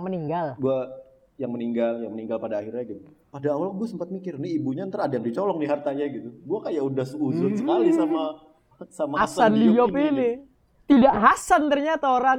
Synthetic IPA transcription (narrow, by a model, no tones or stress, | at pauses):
məniŋɡalɡua | jaŋməniŋɡaljaŋməniŋɡalpadaːhirɲaɡit̪u | padaːwalɡuasəmpat̪̚mikɪrniibuɲant̪əɾadajaŋdit͡ʃɔlɔŋniɦart̪aɲaɡit̪uɡuakajaʔudahsuzʊnsə̥kalisama | samaasanlijɔpini | t̪idaʔɦasant̪ərɲat̪aoɾan